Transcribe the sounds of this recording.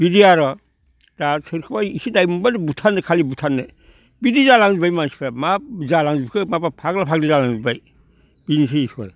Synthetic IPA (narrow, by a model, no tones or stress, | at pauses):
b̥idiaɾɔ | d̥asʰɯɾkʰɯbajisidajmubadbutʰanːɯkʰalibutʰanːɯ | bidizalaŋzibajmansi̥pʰamazalaŋzbikʰɯmabapʰaɡlapʰaɡdizalaŋzibaj | b̥inis̬iisa̰ɾ